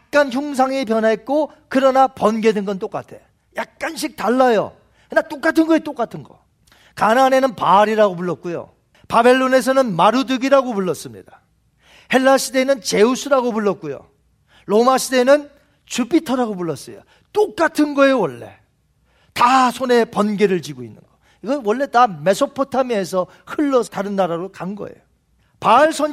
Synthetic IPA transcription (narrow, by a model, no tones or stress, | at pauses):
jak̚k͈ançjoŋs̬ʰaŋep̬jʌnaɦet̚k͈o | kɯɾʌnapʌnɡe̞denɡʌnt͈ok͈a̰tʰe̞̰ | jak̚k͈anɕʰik̚taɭːajo̰ | nat͈ok͈atʰɯnɡʌet͈ok͈atʰɯnɡʌ̰ | kanane̞nɯnpaɾiɾaɡopuɭːʌt̚k͈ujo̰ | pabe̞ɭːone̞s̬ʰʌnɯnmaɾudɯɡiɾaɡopuɭːʌs͈ɯmɲḭd̥a | he̞ɭːaɕʰide̞nɯnt͡ɕe̞usʰuɾaɡopuɭːʌt̚k͈ujo̰ | ɾomaɕʰide̞nɯn | t͡ɕupitʰʌɾaɡopuɭːʌs͈ʌjo̰ | t͈okk͈atʰɯnɡʌe̞jowʌɭːe̞̰ | tasʰone̞pʌnɡe̞ɾɯɭt͡ɕiɡoinːɯ̰nɡʌ | iɡʌnwʌɭːe̞tame̞sʰopʰotʰamie̞sʰʌ | hɯɭːʌtaɾɯnːaɾaɾokaŋɡʌ̰ḛjo | paɭsʰʌn